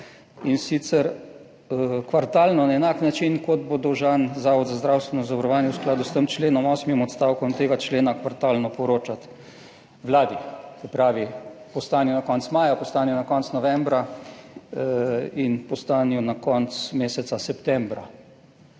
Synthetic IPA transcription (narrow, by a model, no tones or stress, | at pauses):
insit̪sɛɾ | kʋaɾt̪aːlnɔnaɛnaːknat͡ʃinkɔd̪bod̪ɔwʒaːnzaːʋɔd̪zazd̪ɾawst̪ʋɛnɔzaʋɐɾɔʋaːnjɛwsklaːd̪ust̪əmt͡ʃleːnɔmɔːsmimɔt̪st̪awkɔmt̪eːɡat͡ʃleːnakʋaɾt̪aːlnɔpɔɾoːt͡ʃat̪ | ʋlaːd̪isɛpɾaːʋipɔst̪aːnjɔnakɔnt̪smaːjapɔst̪aːnjɔnakɔnt̪snɔʋɛmbɾa | inpɔst̪aːnjɔnakɔnt̪smeːsɛt̪sasɛpt̪ɛmbɾa